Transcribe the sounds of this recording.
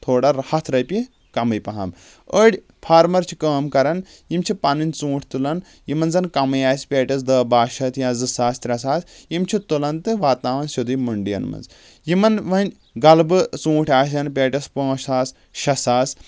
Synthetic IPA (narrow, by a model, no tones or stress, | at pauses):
t̪ʰoːɽɐɾɐhɐt̪ʰɾɐjpi | kɐmɐjpɐɦɐ̰m | əɽʲ | pʰaːɾmɐɾt͡ʃʰi̥kɐːmkɐɾɐn | jimt͡ʃʰipɐninʲt͡sũːʈʰʲt̪ulɐn | jimɐnzɐnkɐmɐjaːsʲpʲeːʈʲɐs̬d̪ɐːbaːʃɐt̪ʰjãːzɨsaːst̪ɾʲɐs̬aːsʲjimt͡ʃʰit̪ulɐnt̪ɨʋaːt̪naːʋɐnsud̪ujmɐɳɖijɐ̰nmɐ̰nz | jimɐnʋɐnʲ | ɡɐlbɨt͡sũːʈʰʲaːʃ̬ʲɐnpʲeːʈʲɐspõːʃaːs | ʃɐsaːs